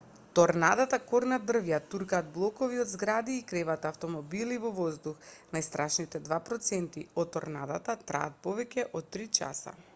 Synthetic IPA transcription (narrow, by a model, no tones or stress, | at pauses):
t̪ɔɾnad̪at̪akɔɾnad̪r̩vjat̪uɾkaːd̪̚blˠɔkɔviɔd̪zɡɾad̪iːkɾɛvat̪aːft̪ɔmɔbilivɔvɔzd̪uxnajst̪ɾʔaʃnit̪ɛd̪vapɾɔt̪sɛnt̪iɔt̪ːɔɾnad̪at̪at̪ɾa̰ːt̪̚pɔvɛcɛʔɔt̪ːɾit͡ʃa̰sa̰